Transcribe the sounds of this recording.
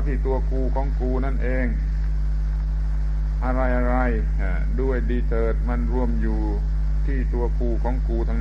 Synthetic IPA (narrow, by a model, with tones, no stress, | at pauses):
t̪ʰiː˧˩t̪u˧ɐkuː˧kʰɔː˨˦ŋkuː˧na˥˩˨nʔeː˧ŋ | ʔa˧ɾa˧jʔa˧ɾa˧j | a˧˩du˥˩əjdiː˧t̪ʰɤː˨˩t̪̚ma˧˥˨nɾu˧˩əmjuː˨˩ | t̪ʰiː˧˥˩t̪u˧ɐkuː˧kʰɔː˨˦ŋkuː˧t̪ʰa˧ŋ˧